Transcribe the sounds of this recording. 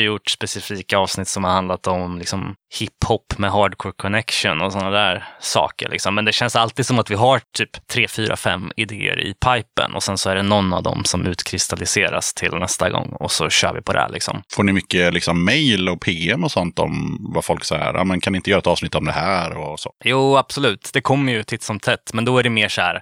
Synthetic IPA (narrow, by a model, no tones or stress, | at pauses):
jʊʈːspɛsɪfiːkaɑːvsnɪt̪ːsɔmhaɾhand̪lat̪ɔmlɪksɔmhɪpːhɔpːmɛɦɑːɖkʰɔːɾkʰɔnɛkʂənɔsɔnːad̪æːɾsɑ̰ːkə̰ɾɭʔɪ̰ksɔmːɛnd̪ɛɕɛnsalt̪iːd̪sɔmat̪vɪɦaɾt̪ʰyːpt̪ʰɾeːfyːɾʔa̰fɛmːɪd̪eːə̰ɾɪ̰pʰajpə̰nʔɔsɛnsɔæɖɛnɔnːavd̪ɔ̰msɔmʔʉ̟ːt̪kʰɾɪst̪alɪseːɾa̰st̪ʰɪlnɛst̪aɡɔ̰ŋːɔsɔɕœ̰ːɾvɪ̰pʰɔd̪æ̰ɭʔɪksɔ̰mfoːɳɪmʏkːəlɪksɔmːɛjlɔpʰeːɛmɔsɔnt̪ɔ̰mvafɔlksɑjːa̰ɾa̰ːmɛnkʰanɪnəjœːɾaɛt̪ɑːsnɪt̪ːɔmd̪ɛɦæːɾɔso̰ːjuːab̥sʊlʉ̟ːt̪d̪ɛkʰɔmːəjɵt̪ʰɪt̪sɔmt̪ʰɛt̪ːmɛnd̪ɔæɖɛmeːʂæɾ